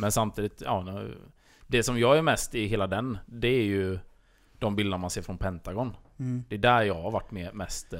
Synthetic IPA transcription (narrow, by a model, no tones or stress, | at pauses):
mɛnsamt̪ʰiːd̪ɪt̪ɑ̰ːn | d̪ɛsɔmjɑːɡæɾmɛst̪ɪɦeːlad̪ɛnd̪ɛːɾjɵ | d̪̥ɔmbɪld̪ənaɾmanseːɾfɾɔnpʰɛnt̪aɡɔnd̪ɛːd̪æɾjɑːɡhaɾvaʈːmɛmɛst̪